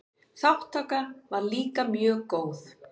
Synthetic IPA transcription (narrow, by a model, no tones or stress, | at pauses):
θawht̪akaɾvaɾliːkamjœːɣkoːwθ